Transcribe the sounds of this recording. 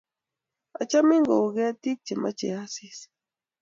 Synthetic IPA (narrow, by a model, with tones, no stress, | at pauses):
a̰˨t͡ʃa˦mi˦ŋɡo˨ɡɛ˦ti˦k̚t͡ʃe˨ma̰˦t͡ʃḛ˨a˦si˦s